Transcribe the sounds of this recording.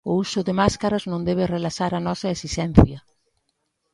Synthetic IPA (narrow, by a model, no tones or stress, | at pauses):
ʊusʊðɪmaskaɾɐznõnd̪eβɪrelasaɾɐnɔsɐesisɛn̟θjɐ